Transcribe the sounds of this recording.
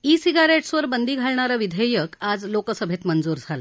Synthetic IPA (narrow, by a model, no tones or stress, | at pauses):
isiɡaɾeʈsʋəɾbənd̪ʱiɡʱaɭɳaɾaʋid̪ʱəjəkad͡zlokəsəbʱet̪mənd͡zuːɾd͡zʱala